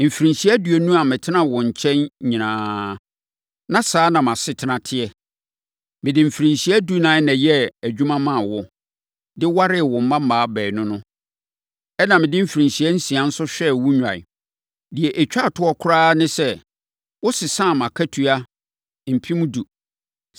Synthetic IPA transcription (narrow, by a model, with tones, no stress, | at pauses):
m̩˨fɾĩ˨si˦ɛ˦du˨ɛ˨nũ˦a˨mɪ̃˨tʰɪ˦nã˦wɔ̃˨ɲ̩˨t͡ɕʰɛ̃˦nɲĩ˨nãː˦ | nã˨saː˨˦nã˨mã˨sɪ˨tʰɪ˨˦nã˨tʰɪ˦ɛ˦ | mɪ̃˨dɪ̃˨m̩˨fɾĩ˨nsi˦æ˦du˦nã˨˦nɛ̃˨jɛ˦æ˨d͡ʑᶣu˦mã˦mã˦˨wɔ˦ | dɪ˦wa˦ɾɪ˦˨wɔ̃˨m̩˦mã˦m̩˦mãː˨˦bɛː˨nʊ̃˦nʊ̃˦ | ɛ˦nã˨mɪ̃˨dɪ˦m̩˦fɾĩ˨si˨ɛ˦n̩˦si˨a˨n̩˦sʊ˦ɕᶣɛ˦˨wʊ˦ɲᶣ˨ã̰˨ | dɪ˨ɛ˨ʔæ˨t͡ɕᶣa˦˨tʰʊ˦ɔ˦kʰʊ˦ɾaː˦nɪ̃˦sɛ˦ | wʊ˦sɪ˨sãː˦˨mã˨kʰæ˦tʰu˦a˦ | m̩˨pʰi˦mũ˦du˨